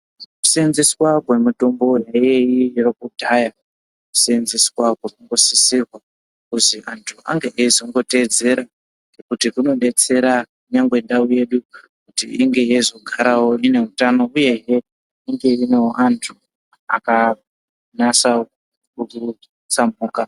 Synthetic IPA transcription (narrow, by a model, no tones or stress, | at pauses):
ku̥senziswakwe̞muto̞mbo̞jaijeirokudʱaja | ku̥senziswakwekuŋɡo̞sisirwa | kuziʔantʰua̰ŋɡeʔezoŋɡo̞te̞d͡ze̞ɾa | ŋekutikuno̞ɓe̞t͡se̞ɾakuɲaŋɡwe̞ndauje̞ɗukutḭiŋɡe̞jezo̞ɡʱaɾawo̞ine̞utano̞uje̞ɦe | iŋɡe̞ineʔantʰu | a̰ka | nasa | uku | t͡samuːka